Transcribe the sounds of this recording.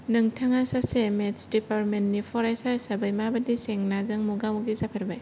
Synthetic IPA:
nɯŋtʰaŋasasemesdipaɾ̚mennipʰɔɾajsajsabajmabɐdiseŋnazɯŋmuɡamuk̚dizapʰɐɾbaj

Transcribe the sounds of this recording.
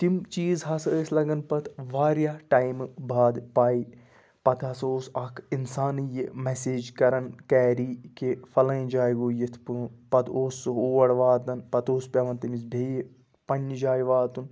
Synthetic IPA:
t̪imt͡ʃiːzɦɐsəslɐɡɐnpɐt̪ʰʋaːɾjaːʈaːjmbʱaːd̪paːi | pɐt̪ʰɦɐsoːsɐkʰinsaːnjimeseːd͡ʒkɐɾɐnkɛːɾiːkefɐlɐ̃jd͡ʒaːjɡoːjit̪ʰpupɐt̪ʰoːsɨoːʋɐɽʋaːt̪ɐnpɐt̪oːspʲɐʋɐnt̪ɐmis̬bʱeːji | pɐnːid͡ʒaːjʋaːt̪un

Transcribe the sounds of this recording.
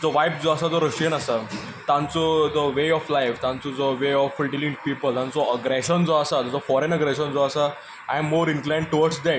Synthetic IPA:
d͡zɔʋajp̚d͡zɔəsad͡zɔɾəʂʈijənasa | t̪ãnt͡sɔd͡zɔʋeɔflajft̪ãnt͡sɔd͡zɔʋeɔfulʈilĩŋpiːpəlt̪ãnt͡sɔəɡɾeɕənd͡zɔəsad͡zɔd͡zɔfɔɾenəɡɾɛɕənd͡zɔasa | ajmːoːɾinklaj̃ɳɖ̚ʈːuʋəɾɖsd̪ɛ

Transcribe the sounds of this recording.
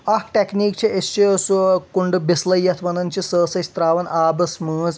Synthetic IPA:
ɐhkʈekniːk̚t͡ʃʰiest͡ʃʰisukuɳɖɨbislɐjːɐt̪ʰʋɐnɐnʲt͡ʃʰisəːsɐsʲt̪ɾaːʋɐnaːbɐsmɨːz

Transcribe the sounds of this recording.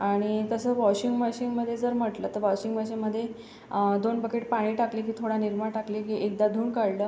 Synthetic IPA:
aɽ̃it̪əsəːʋɔɕiŋɡmɔɕiŋɡməd̪ʱːjed͡zəɾməʈlət̪əɾʋɔɕiŋɡʋɔɕiŋɡməd̪ʱːje | d̪onbəkeʈpaɽ̃iːʈakliːkiːt̪ʰoɽaniɾmaɽʈakliːkiːʔekd̪ad̪ʱuːɳkaɽləː

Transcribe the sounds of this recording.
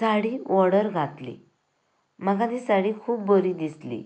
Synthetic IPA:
saɽiːʋɔɽəɾɡʱat̪lḭ | məɡãd̪iːsaɽiːkʰuːbːəɾiːd̪islḭ

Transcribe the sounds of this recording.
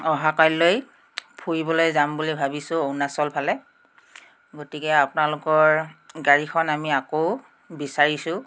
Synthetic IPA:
ɔɦakajloj | pʰujibɔlojzambulibʱabisʊ̃ownasɔlpʰalɛ | ɡotikɛapʊnalʊkɔɹɡaɹixʰɔnamiako | bisaɹisʊ̃

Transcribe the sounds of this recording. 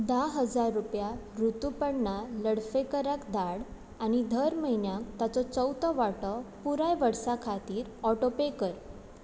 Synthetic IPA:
d̪aɦəd͡zaɾːupja | ɾut̪upəɽɳaləɽfekəɾakd̪aɽ | añid̪ʱəɾməɦinjãk̚t̪at͡sɔt͡səwt̪ɔʋaʈɔpuɾajʋəɽsakʰat̪iːɾɔʈopekəɾ

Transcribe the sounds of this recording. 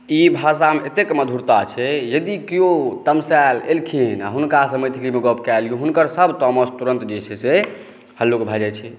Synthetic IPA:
ibʱasameet̪ekməd̪ʱuɾt̪at͡ʃʰɛjəd̪ikijot̪əmsɛlelkʰina̰ɦunkasəmət̪ʰikɾimeɡɔpʰkɛluɦunkəɾsəbʱt̪ɔmɔst̪uɾə̃nt̪d͡ʒet͡ʃʰɛse | həlːokbʱad͡ʒɛt͡ʃʰɛ

